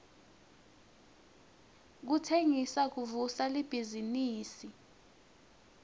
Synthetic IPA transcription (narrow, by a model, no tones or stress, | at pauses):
k̬utʰeŋisak̬uvusalib̥ʱiziniːsi